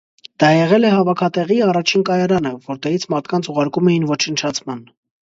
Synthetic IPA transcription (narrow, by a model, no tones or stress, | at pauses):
d̪̥ɑjɛʁɛlɛɦɑvɑkʰɑt̪ɛʁiɑrɑt͡ʃʰinkɑjɑɾɑnəvɔɾt̪ɛɾit͡sʰmɑɾt̪ʰkɑnt͡sʰuʁɑɾkumɛjinvɔt͡ʃʰənt͡ʃʰɑt͡sʰmɑn